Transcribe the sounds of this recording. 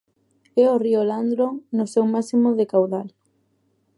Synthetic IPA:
ɛorioland̪ɾonʊsewmasimʊðekawðal

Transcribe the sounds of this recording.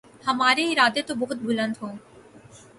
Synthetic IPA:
həmaːɾeɦiːɾaːd̪et̪obəɦʊt̪̚bʱʊlənt̪ɦõː

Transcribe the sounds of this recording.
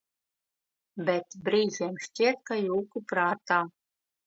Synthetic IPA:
bʲɛt̪bɾiːʒʲeːmʃt͡ɕʲiɛt̪̚kajuːkupɾaːt̪aː

